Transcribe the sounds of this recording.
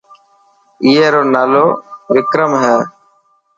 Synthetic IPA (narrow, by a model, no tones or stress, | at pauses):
iːeːɾoːnaːloːʋɪkɾəmɦɛː